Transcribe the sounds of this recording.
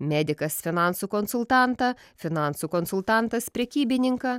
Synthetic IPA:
mʲæːd̪ʲɪkɐsfʲɪnɑnsuːkɔnsʊlˠt̪ɑˑnt̪ɐ | fʲɪnɑˑnsuːkɔnsʊlˠt̪ɑnt̪ɐspʲɾʲɛkʲiːbʲɪnʲɪŋkɐ

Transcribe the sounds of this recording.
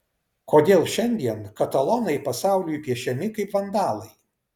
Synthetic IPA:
koːd̪ʲeːlˠʃʲɛnʲd̪ʲiɛnkɐt̪ɐlˠɔnɐɪpɐsɑˑʊlʲujupʲiɛʃʲɛmʲɪkɐɪpʋɐnd̪ɑːlˠɐɪ

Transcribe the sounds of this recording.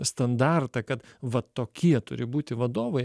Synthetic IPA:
st̪ɐnd̪ɑrt̪ɐkɐt̪ʋɐt̪oːkʲiɛt̪ʊ̰ɾʲɪbuːt̪ʲɪʋɐd̪oːʋɐɪ

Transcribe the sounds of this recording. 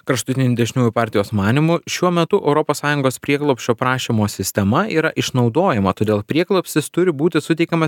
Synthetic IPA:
kɾɐʃt̪ʊt̪ʲɪnʲʊd̪ʲɛʒʲnʲuːjʊpɑːɾʲt̪ʲɪjoːsmɑːnʲimʊʃʲuɔmʲɛt̪ʊʔɛʊɾɔpoːssɑːjʊŋɡoːspʲɾʲiɛklˠoʊpʲsʲʃʲt͡ʃʲoːpɾɑːʃʲimoːsʲɪsʲt̪ʲɛmɐiːɾɐʔɪʃnɒʊd̪oːjɛmɐt̪oːd̪ʲeːlˠpʲɾʲiɛɡlˠopʲsʲɪst̪ʊɾʲɪbuːt̪ʲɪsʊt̪ʲɛɪkʲɛmɐ

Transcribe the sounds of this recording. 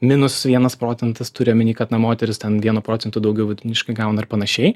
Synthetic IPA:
mʲɪnʊsʋʲiɛnɐspɾoːt͡sʲɛnt̪ɐst̪ʊɾʲɪomʲɪnʲiːkɐt̪nɐmoːt̪ʲɛɾʲɪst̪ʲɛnʋʲiɛnuːpɾoːtt͡sʲɛnt̪ʊd̪ɐʊɡʲɛʊʋʲɪd̪ʲnʲɪʃkɐɪɡɑʊnɐɐrpɐnɐʃʲɛɪ

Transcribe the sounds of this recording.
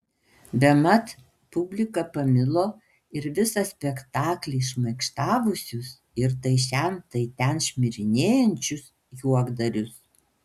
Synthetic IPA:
bʲɛmɐt̪ | pʊbʲlʲɪkɐpɐmʲɪlˠoː | ɪɾʋʲɪsɐsʲpʲɛkt̪ɑːklʲɛɪʃmɐɪkʃt̪ɑːʋʊsʲʊs | ɪɾt̪ɐɪʃʲɛnt̪ɐɪt̪ʲɛnʃʲmʲɪɾʲɪnʲeːjɛnʲt͡ʃʲʊs | juɔɡd̪ɐɾʲʊs

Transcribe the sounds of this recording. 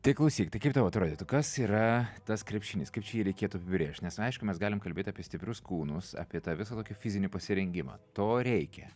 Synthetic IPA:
t̪ɐɪklˠɐʊsʲiːkʲt̪ɐɪkɐɪpt̪ɑʋoːɐt̪ɾoːd̪ʲiːt̪ʊkɐsiːɾɐt̪ɐskɾʲɛpʲʃʲɪnʲɪːskɐɪp̚t͡ʃʲɛjiːɾʲɛɪkʲeːt̪ʊɐpʲɪbʲɾʲeːʃʲt̪ʲnʲɛsɐɪʃkʊmʲɛsɡɑːlʲɪmkɐlʲbʲeːt̪ʲɑːpʲieɛsʲt̪ʲɪpʲɾʲʊskuːnʊsɑ̰ːpʲiɛt̪ɑʋʲɪsɐːt̪oːkʲɪfʲɪzʲɪnʲɪpɐsʲɪɾʲɛŋʲɡʲɪmɑ̰ːt̪oːɾʲɛɪkʲɛ

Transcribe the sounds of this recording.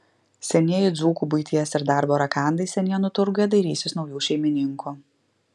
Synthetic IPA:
sʲɛnʲiɛjʊd̪zuːkuːbʊɪt̪ʲiɛsɪɾd̪ɑˑɾboːɾɐkɑˑnd̪ɐɪsʲɛnʲijɛnʊt̪ʊɾɡʊjɛd̪ɐɪɾʲiːsʲɪsnɒʊjuːʃʲɛɪmʲɪnʲɪŋkʰuː

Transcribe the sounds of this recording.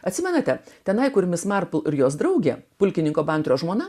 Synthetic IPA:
ɐt̪ʲsʲɪmʲɛnɐt̪ʲɛt̪ʲɛnɐɪkʊɾʲmʲɪsmɑɾpʊlˠɪɾjoːsd̪ɾɐʊɡʲeːpʊlʲkʲɪnʲɪŋkoːbɐˑnʲt̪ʲɾʲoːʒmoːnɐ

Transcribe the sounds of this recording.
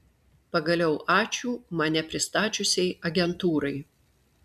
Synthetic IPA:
pɐɡɐlʲɛʊʔɑːt͡ʃʲuːmɐnʲɛpʲɾʲɪst̪ɑːt͡ʃʲʊsʲɛɪɐɡʲɛnt̪uːɾɐɪ

